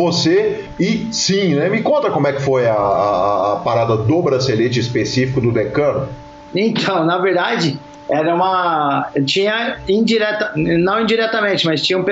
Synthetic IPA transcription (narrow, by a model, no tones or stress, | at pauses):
vose | ɪsĩnɛmɪkõnt̪ɾɐkõmʊɛkɪ̥fojɐː | paɾad̪ɐd̪ʊbɾaselet͡ʃɪispesifikʊd̪ʊd̪ekɐ̃nʊ | ẽt̪ʰɐ̃w̃nɐveɾd̪ad͡ʒɪ | ɛɾɐũmɐt͡ʃĩɲɐĩd͡ʒiɾɛt̪ɐnɐ̃w̃ĩd͡ʒiɾɛt̪ɐmẽt͡ʃɪmɐst͡ʃĩɲɐũp